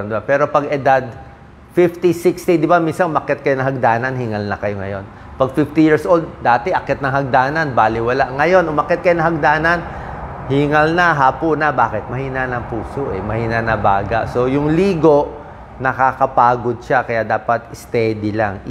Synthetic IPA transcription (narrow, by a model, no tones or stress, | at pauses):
d̪ɪbapɛːɾo̞pɐɡɛd̪ad̪̚ | fift̪isɪkst̪id̪ɪbaminsɐnʔʊmɐkɛt̪̚kɐjoɐŋɦɐɡ̚d̪aːnɐnhiːŋɐlnɐkɐjoŋɐ̰jo̞n | pɐɡ̚fift̪ijiɹsʔold̪̚d̪aːt̪ɛʔɐkɛt̪̚nɐŋhɐɡ̚d̪aːnɐnbaːlɪwɐlaʔŋɐjo̞nʊmɐkɛt̪kɐjonɐɦɐɡ̚d̪aːnɐn | hiŋɐlnɐɦaːponɐbaːkɛt̪̚mɐhiːnanɐŋpuːsoʔɛmɐhiːnanɐbaːɡa̰ʔso̞jʊŋliːɡo̞ʔ | nɐkakɐpaːɡo̞d̪̚ʃakɐjaʔd̪aːpɐt̪ɪst̪ɛd̪ɪlaŋ